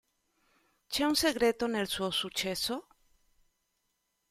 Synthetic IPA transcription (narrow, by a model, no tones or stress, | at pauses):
t͡ʃeunseɣɾet̪onelsuosut͡ʃeso